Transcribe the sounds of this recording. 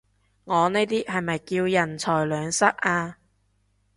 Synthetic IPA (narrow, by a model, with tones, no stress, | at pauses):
ŋɔː˨˧ne˥jt̪iː˥hɐ˨jmɐ˨jkiː˧wjɐ˨˩nt͡sʰɔː˨˩jlœː˨˧ŋsɐ˥k̚ʔaː˧